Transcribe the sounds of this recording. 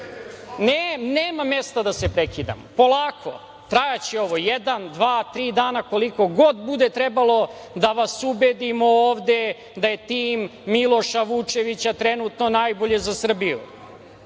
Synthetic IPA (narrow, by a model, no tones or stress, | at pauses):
neneːmamjest̪ad̪asepɾekid̪a̰mopo̞lˠaːkʰo̞̰ | t̪ɾajat͡ɕeo̞ʋo̞jed̪and̪ʋaːt̪ɾiːd̪aːnako̞liko̞ɡo̞d̪bud̪et̪ɾebalo̞ | d̪aʋasubed̪imooːʋd̪e̞ | d̪aje̞t̪iːmːilˠo̞ʃaʋut͡ʂe̞ʋit͡ɕat̪ɾenut̪no̞najbo̞ʎe̞zasr̩bijṵ